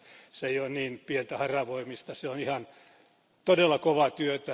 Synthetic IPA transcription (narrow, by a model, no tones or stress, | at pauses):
seijonniːnpient̪æhɑrɑʋoimist̪ɑseonihɑn | t̪odelːɑkoʋɑt̪yøt̪æ